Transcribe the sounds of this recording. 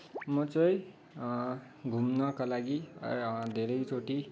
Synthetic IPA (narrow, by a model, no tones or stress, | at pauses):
mʌt͡sʌj̃ | ɡʱumnʌkalaɡḭ | d̪ʱeɾʌjt͡sʰoʈi